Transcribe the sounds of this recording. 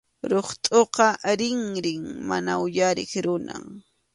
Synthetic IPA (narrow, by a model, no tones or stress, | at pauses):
ɾoχt̪ʼoqɑɾɪŋɾɪŋma̰naʊjaɾɪ̰χɾʊna̰